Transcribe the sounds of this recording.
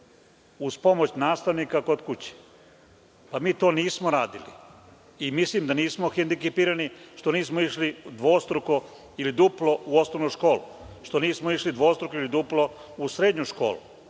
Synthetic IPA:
uzpo̞mo̞t͡ɕnaːst̪aʋniːkako̞d̪kut͡ɕi̥ | pamiːt̪o̞ːniːsmoɾaːd̪ilḭ | imislimd̪aniːsmo̞xend̪ikepiːɾaniʃt̪o̞niːsmoiʃlid̪ʋo̞ːst̪ɾoko | ilid̪uplˠo̞uosnoʋnuʃko̞ːlṵʃt̪o̞niːsmoiʃlid̪ʋo̞ːst̪ɾokoilid̪uplˠo̞usɾed̪ɲuʃko̞̰ːlṵ

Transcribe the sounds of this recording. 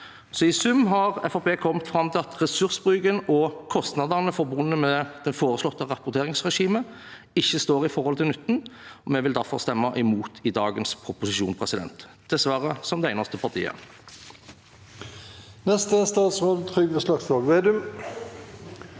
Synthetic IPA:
sɔɪsʉmːɦɑʁɛfɑpeːkʰɔmt̪fɾɑmt̪ʰɪlɑt̪ʁɛsʉʁsbʁyːɡənɔkʰɔst̪nɑd̪əʁnəfɔɾbʊnːəmɛd̪̥ɛnfoːɾəslɔt̪ːəʁɑpʊʁt̪ʰeːʁɪŋsʁɛʂiːmə | ɪçːəst̪oːʁɪfɔʁhɔlt̪ʰɪlnʉt̪ːn̩ɔmɛʋɪld̪æʁfɔʁst̪ɛmːɑʔɛmuːt̪ʰɪd̪ɑːɡənspʰʁʊpʊsɪʃuːnpʰʁɛsɪd̪ɛ̰nt̪ | d̪̥ɛsʋæɾəsɔmd̪ɛæɪnɑst̪əpʰɑɾt̪ʰḭːə̰ | nɛst̪əst̪ɑːt̪sʁoːd̪ət̪ʰʁʏɡʋəslɑkslɑːɡʋeːd̪ʉm

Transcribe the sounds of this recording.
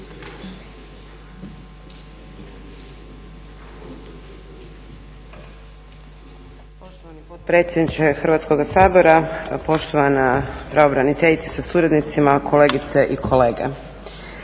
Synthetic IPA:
po̞ʃt̪oʋanipo̞t̪̚pɾe̞ːt̪sʲjed̪nit͡ʃexrɾʋat̪sko̞ɡasaːboɾapo̞ʃt̪o̞ʋanapɾaobɾanit̪eʎit̪se̥sasuɾad̪nit̪simakʰo̞le̞ːɡit̪seʔikʰo̞le̞ːɡḛ

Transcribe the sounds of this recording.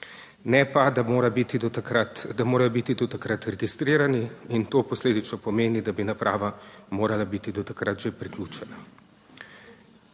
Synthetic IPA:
nɛpad̪aɾabit̪iat̪d̪amoːɾajɔbit̪id̪ɔt̪akɾat̪ɾɛɡist̪ɾiːɾaniint̪oːpɔsleːd̪it͡ʃnɔpɔmeːnid̪abinapɾʔa̰ːʋamoːɾalabit̪id̪ɔt̪akɾat̪ʒepɾiklʲuːt͡ʃɛna

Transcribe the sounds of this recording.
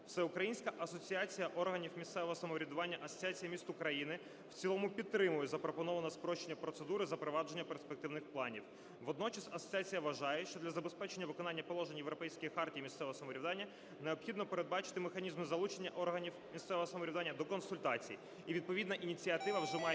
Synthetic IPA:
wsɛʊkɾɐjinʲsʲkɐʔɐsɔt͡sʲiɑt͡sʲijɐʔɔrɦɐnʲiwmʲist̪sɛʋɔɦɔsɐmɔɾʲid̪ʊʋɑnʲːɐʔɐsɔ̥t͡sʲiat͡sʲijɐmʲist̪ʊkɾɐjinɪ | wt͡sʲilˠɔmʊpʲidt̪ːɾɪmʊjɛzɐpɾɔpɔnɔʋɐnɐspɾɔʃt͡ʃenʲːɐpɾɔt̪sed̪uɾɪzɐpɾɔʋɑd͡ʒe̞nʲːɐperspek̚t̪ɪwnɪxplˠɑnʲiw | ʋɔd̪nɔt͡ʃɐsɐsɔ̥t͡sʲiat͡sʲijɐʋɐʒɑjɛʃt͡ʃɔd̪lʲɐzɐbespɛt͡ʃenʲːɐʋɪkɔnɑnʲːɐpɔlˠɔʒenʲjewɾɔpɛjsʲkijixɑrtʲijimʲist̪sɛʋɔɦɔsɐmɔɾʲiwd̪ɑnʲːɐ | neɔpxʲid̪nɔpeɾed̪̚bɑt͡ʃɪ̥t̪ɪmexɐnʲizmɪzɐlˠut͡ʃenʲːɐʔɔrɦɐnʲiwmʲist̪sɛʋɔɦɔsɐmɔɾʲiʋd̪ɑnʲːɐd̪ɔkɔnsʊlʲt̪ɑt͡sʲḭji | iʋʲid̪̚pɔʋʲid̪nɐʔinʲit͡sʲiɐt̪ɪʋɐwʒɛmɑj

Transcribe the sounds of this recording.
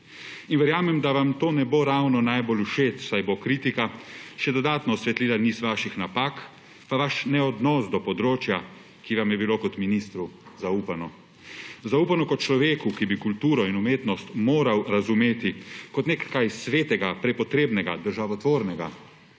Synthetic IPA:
inʋɛɾjaːmɛmd̪aʋamt̪oːnɛboɾawnɔnajboluʃeːt̪wsajbokɾiːt̪ikaʃɛd̪ɔd̪aːt̪nɔːsʋɛt̪liːlaniːsʋaːʃixnapaːk | paʋaʃnɛɔd̪nɔsd̪ɔpɔd̪ɾoːt͡ʃja | kiʋamjɛbilokɔt̪minist̪ɾuzauːpanɔ | zauːpanɔkɔt̪t͡ʃlɔʋeːkukibikult̪uːɾɔinumeːt̪nɔst̪moːɾawɾazumeːt̪ikɔt̪nekkajsʋeːt̪ɛɡapɾɛpɔt̪ɾeːbnɛɡa̰d̪əɾʒaʋɔt̪ʋoːɾnɛɡa̰

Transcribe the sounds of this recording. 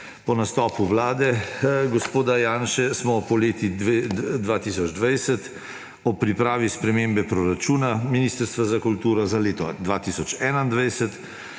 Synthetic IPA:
pɔnast̪ɔːpuʋlaːd̪ɛɡɔspoːd̪ajaːnʃɛsmɔpɔleːt̪id̪ʋat̪iːsɔd͡ʒd̪ʋajsət̪ | ɔpɾipɾaːʋispɾɛmembɛpɾɔɾat͡ʃuːnaminiːst̪əɾst̪ʋazakult̪uːɾɔzaleːt̪ɔd̪ʋat̪isɔt͡ʃɛːnaind̪ʋɛjsət̪

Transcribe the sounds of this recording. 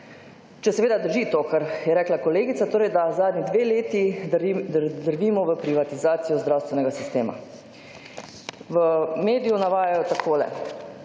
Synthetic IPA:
t͡ʃɛsɛʋeːd̪ad̪əɾʒit̪oːkaɾjɛɾɛːklakɔleːɡit̪sat̪oːɾɛjd̪azaːd̪nid̪ʋeːleːt̪id̪əd̪əɾʋiːmɔʋəpɾiʋat̪izaːt̪sijɔzd̪ɾaːwst̪ʋɛnɛɡasist̪eːma̰ | ʋəmeːd̪ijunaʋaːjajɔt̪akʰoːlɛ̰

